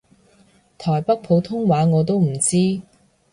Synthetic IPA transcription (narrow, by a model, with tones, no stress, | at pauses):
t̪ʰɔː˨˩jpɐ˥k̚pʰo˨˥wt̪ʰʊ˥ŋwaː˨˥ŋɔː˨˧t̪̬o˥wm̩˨˩t͡siː˥